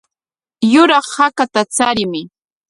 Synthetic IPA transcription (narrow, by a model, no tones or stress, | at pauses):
jʊɾɑχhakat̪at͡saɾɪmɪ